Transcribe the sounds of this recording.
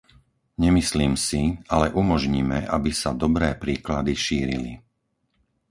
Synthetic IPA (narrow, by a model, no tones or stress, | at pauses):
ɲɛmisliːmsialɛʔumɔʒɲiːmɛʔabisad̪ɔbɾɛːpɾiːklad̪iʃiːɾili